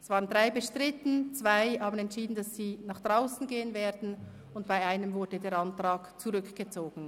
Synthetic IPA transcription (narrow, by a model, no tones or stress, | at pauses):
ɛsvɑːʁəndʁaɪbəʃtʁ̥ɪtn̩t͡sv̥aɪhaːbn̩ɛntt͡ʃiːdn̩dasz̥iːnaːχd̥ʁaʊsn̩ɡeːənveːdn̩ | ʊntb̥aɪaɪnəmvʊɐdədeːɐɾɑntʁ̥ɑːkt͡suʁʏkɡ̥ət͡soːɡn̩